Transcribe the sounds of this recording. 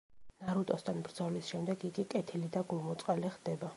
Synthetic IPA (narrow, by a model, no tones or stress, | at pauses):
naɾut̪ʼɔst̪ʰanbɾd̪zɔvlisʃɛmd̪ɛɡiɡikʼɛt̪ʰilid̪aɡulˠmɔt̪sʼqʼaliχd̪̥ɛba